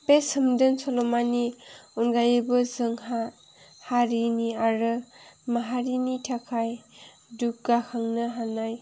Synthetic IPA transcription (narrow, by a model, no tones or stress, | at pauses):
pesɯmdɯnsɔlɔmaniunɡajɯbɯzɯŋɦa | haɾiniaɾɯmaɦaɾinitʰakʰaj | duk̚ɡakʰaŋnɯɦanːaj